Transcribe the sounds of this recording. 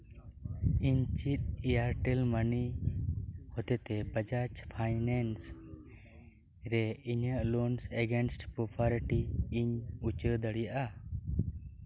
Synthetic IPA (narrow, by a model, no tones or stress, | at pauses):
iɲt͡ʃit̪̚ijaɾʈɛlməni | hɔt̪ɛt̪ɛbəd͡ʒat͡ʃpʰajnɛns | ɾɛiɲəʔlonsɛɡensʈpɾopʰaɾʈiːɲut͡ʃəɾd̪əɽijaʔa